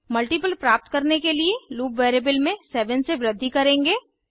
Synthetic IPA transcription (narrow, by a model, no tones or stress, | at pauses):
mɐlʈipəlpɾaːp̚t̪kɐɾnekelieluːpʋeːɾebəlmẽsɛːʋə̃nseʋɾəd̪ʱːikɐɾẽːŋɡeː